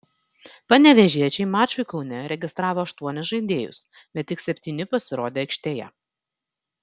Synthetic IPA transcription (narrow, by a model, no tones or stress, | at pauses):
pɐnʲɛʋʲɛʒʲiɛt͡ʃʲɛɪmɑːt͡ʃʲʊɪkɒʊnʲɛɾʲɛɡʲɪst̪ɾɑːʋoːɐʃt̪uɔnʲɪsʒɐɪd̪ʲeːjʊ̰s | bʲɛt̪ʲːɪksʲɛpʲt̪ʲiːnʲɪpɐsʲɪɾoːd̪ʲeːɐɪkʲʃʲt̪ʲeːjɛ̰